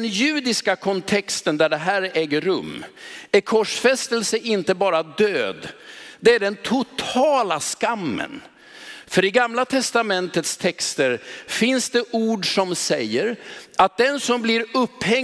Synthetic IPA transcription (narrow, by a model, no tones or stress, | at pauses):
njʉ̟ːd̪ɪskakʰɔnt̪ʰɛkst̪ənd̪æɖɛɦæːɾɛːɡəɾɵ̰mːæɾkʰɔʂfɛst̪əlsəʔɪnt̪əbɑːɾad̪øːd̪d̪ɛæɖɛnt̪ʰʊt̪ʰɑːlaskamːə̰n | fœɾɪɡamlat̪ʰɛst̪amɛnt̪ət̪st̪ʰɛkst̪əɾfɪnsd̪ɛʔuːɖʂɔmsɛjːəɾat̪̚d̪ɛnsɔmblɪɾɵpːhɛ